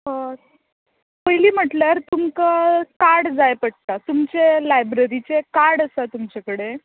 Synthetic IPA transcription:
pəjliːm̤əʈljaɾt̪umkakaɾɽd͡zajpəʈ̚t̪at̪umt͡selajbɾəɾit͡sekaɾɽəsat̪umt͡ɕakəɽe

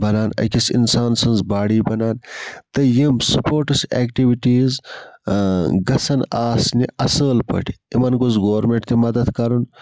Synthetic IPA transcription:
bɐnaːnɐ̰kʲisḭnsaːnsɐnzbaːɽiːbɐnaːnt̪ɐjimsupoːɾʈɐseːkʈiʋiʈiːz | ɡɐsɐnaːsniɐsəːlpɐ̰ʈʰi̥imɐnɡuzɡoːɐɾmeɳʈt̪imɐd̪ɐd̪kɐɾun

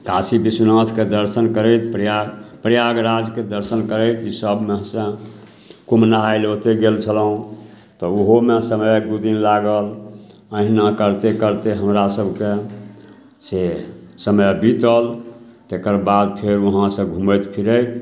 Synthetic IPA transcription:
kasibisunãt̪ʰked̪əɾsənkəɾət̪ʰpɾjapɾjaɡɾad͡ʒked̪əɾsənkəɾəɪt̪ʰisəbmeɦsə̃ | kumnaajlot̪eɡelt͡ʃʰəlɦũ | t̪ɔuɦomesəməjɡ̪ud̪inlaɡəl | əɦinakəɾt̪ekəɾt̪eɦəmɾasəbʱke | sesəməjbit̪əlt̪ekəɾbad̪̚pʰeɾuɦãsə̃ɡʱũməjt̪pʰiɾəjt̪

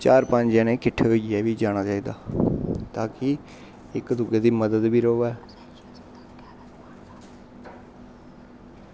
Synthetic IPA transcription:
t͡ʃaːɾpəɲd͡ʒãːnẽːkɪʈʰːeɦoiɡɪɛːʋiːd͡ʒaːɽ̃aːt͡ʃaːiːd̪a̰ːt̪aːkɪ | ɪkd̪ʊɡeːd̪iːməd̪əd̪biːɾoːʋaɛ

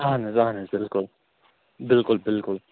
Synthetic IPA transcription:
anɪzahnazɪlkʊl | bɪlkʊlbɪlkʊl

